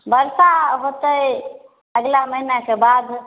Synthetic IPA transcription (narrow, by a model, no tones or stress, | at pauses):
bəɾsaɦot̪əj | əɡlaməɦinakebad̪